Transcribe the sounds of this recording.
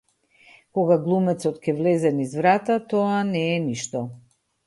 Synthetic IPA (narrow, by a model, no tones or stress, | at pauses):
kɔɡaɡlˠumɛt̪sɔt̪cɛvlɛzɛnizvɾat̪at̪ɔanɛːniʃt̪ɔ